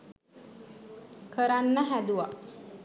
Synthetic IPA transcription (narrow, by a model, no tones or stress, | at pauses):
kʰəɾanːəɦæd̪uʋa